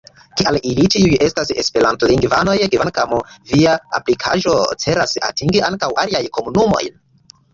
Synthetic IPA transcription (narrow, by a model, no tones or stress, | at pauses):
kialilit͡ʃiuje̞stase̞spe̞ɾantoliŋɡvano̞jkivankamviaa̰plikʰa̰ʒo̞t͡se̞ɾasa̰tiŋɡiʔaŋkawʔaliajko̞munumo̞̰jn